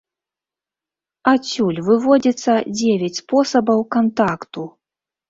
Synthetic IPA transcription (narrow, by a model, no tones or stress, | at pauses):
at͡sʲulʲvɨvɔd͡zʲɛt̪sːɐd͡zʲevʲat͡sʲspɔsɐbɐwkant̪akt̪u